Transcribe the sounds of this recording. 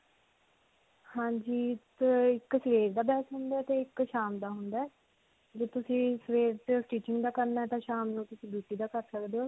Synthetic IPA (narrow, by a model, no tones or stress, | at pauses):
hãːɲd͡ʒiːt̪ɪksʋeːɾd̪aːbɛːsɦʊnd̪aɛːt̪eːɪkʃaːmd̪aːɦʊnd̪aːɛː | d͡ʒeːt̪ʊsĩːsʋeːɾt̪eʈiːt͡ʃɪŋɡd̪aːkəɾnaːɛːt̪ãːʃaːmnũːt̪ʊsĩːbuːʈiːd̪aːkəɾsəkd̪eːoː